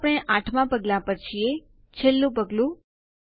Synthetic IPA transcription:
pɽ̃eʔãʈʰmãpəɡlãpəɾt͡ʃʰie | t͡ʃʰelːũpəɡlũ

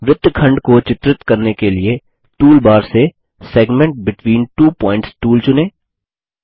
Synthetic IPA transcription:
ʋɪd̪kʰɐ̃ɳɖkot͡ʃɪt̪ɾɪt̪kɐɾnekelie | ʈuːlbaːɾse | seːɡmẽɳʈ̚bɪʈʋiːnʈuːpɔ̃ːɪ̃ɳʈsʈuːlt͡ʃʊneː

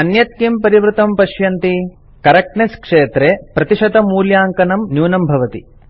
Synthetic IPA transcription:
ɐnjɐt̪jimpɐɾiʋɾut̪ɐmpɐʃjɐnt̪i | kɐɾɐk̚ʈnɐskʂeːt̪ɾepɾɐt̪iʂɐd̪ɐmuːljaːŋkɐnɐmnjuːnɐmbʱɐʋɐt̪i

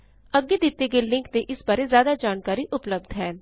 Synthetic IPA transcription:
əɡːeːd̪ɪt̪ːeɡeːlɪ̃ŋkt̪eʔɪsbaːɾezjaːd̪aːd͡ʒaːnkaːɾiʔʊpləb̚d̪ɦɛː

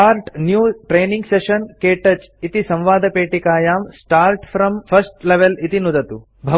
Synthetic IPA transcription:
aːɾʈnjuːʈɾeːniŋɡseʃɐnkeːʈɐt͡ʃit̪isɐ̃mʋaːd̪ʱɐpeːʈikaːjaːmsʈaːɾʈfʰɾɐmfʰɐsʈleʋelit̪inud̪ɐt̪u | bʱɐ

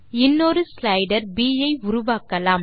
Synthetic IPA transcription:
ɪnːɔɾɯslɐɪɖɐɾbiːjɐɪʊɾʊʋaːkːɐlaːm

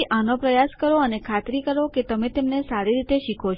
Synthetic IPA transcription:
ʔanopɾəjaskəɾoənekʰat̪ɾikəɾoket̪əmet̪emnesaɾiɾit̪eʃikʰot͡ʃʰ

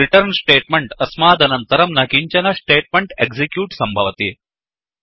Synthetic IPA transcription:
ɾiʈəɾnsʈeːʈ̚meɳʈɐsmaːd̪ɐnɐnt̪əɾɐmnɐkiɲt͡ɕɐnɐsʈeːʈ̚meɳʈeɡzikjuːʈsɐmbʱɐʋt̪iː

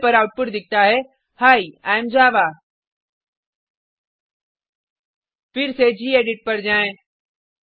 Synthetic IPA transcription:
pɐɾaːʊʈ̚pʊʈd̪ɪk̚ʰt̪aɦɛ | haːiaːjmd͡ʑaːʋaː | fɪɾsed͡ʑiːeːɖɪʈ̚pɐɾd͡ʑaːẽː

